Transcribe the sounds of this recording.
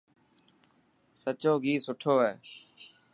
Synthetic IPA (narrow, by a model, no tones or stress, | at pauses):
sət͡ʃoːɡʱiːsʊʈʰoːɦeː